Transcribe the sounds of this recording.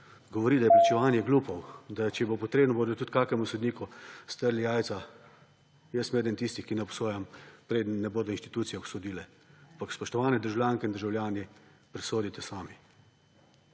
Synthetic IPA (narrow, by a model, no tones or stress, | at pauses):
ɡɔʋɔɾid̪ajɛpɾat͡ʃɛʋaːnjɛɡluːpɔwd̪at͡ʃɛjɛbopɔt̪ɾeːbnɔboːd̪ɔt̪ut̪kaːkɛmusɔd̪niːkust̪əɾlijaːj̪sa | jəsmeːd̪ənt̪ist̪ixkinɛɔpsoːjampɾed̪ənːɛboːd̪ɔinʃt̪i̥t̪uːt̪sijɛɔsɔd̪iːlɛ | ampakspɔʃt̪ɔʋaːnɛd̪əɾʒawlʲjaːŋkɛind̪əɾʒawljaːnipɾɛsoːd̪it̪ɛsaːmi